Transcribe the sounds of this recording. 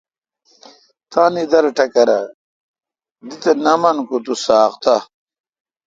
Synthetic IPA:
t̪ãːnid̪ɐɾʈɐkɐɾɐ | d̪it̪ɐnɐmɐnkut̪usaːqt̪a

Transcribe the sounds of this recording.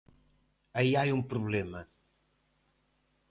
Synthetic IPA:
ɐiajũmpɾuβlemɐ

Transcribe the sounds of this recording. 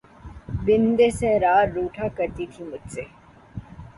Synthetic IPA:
bɪnd̪esẽɾaːɾːuːʈʰakəɾt̪it̪ʰĩmʊd͡ʒse

